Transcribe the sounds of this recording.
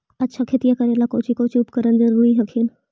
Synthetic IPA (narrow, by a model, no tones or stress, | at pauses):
ɐtːʃʰakʰet̪ijakɐɾeːlakoːt͡ʃʰikoːt͡ʃiːpkəɾənd͡ʒɐɾuːɾiɦɐkʰiːn